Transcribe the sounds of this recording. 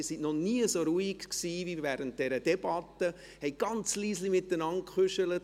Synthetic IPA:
isinnɔniːəsoɾuikksiːvivɛːɾənt̚d̥ɛɾəd̥ɛb̥ɑtːə | hɛɪɡ̥ɑnt͡sliːslimɪtːənɑntkχʏʃələt

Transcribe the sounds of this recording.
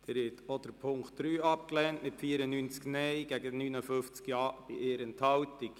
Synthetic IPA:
d̥̪ɛːɾɪtod̥̪əɾpʰʊŋktd̥ɾyːɑp̚klɛːntmɪtfiːəɾənynt͡sknɛjɡ̥æɡənyːnəfʏft͡skjɑːb̥ɪʔeːɾənthɑwtik

